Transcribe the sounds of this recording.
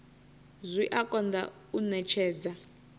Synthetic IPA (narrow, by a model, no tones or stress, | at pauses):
zʷiʔakʼɔnd̪a̰ | unɛt͡ʃʰɛːd͡za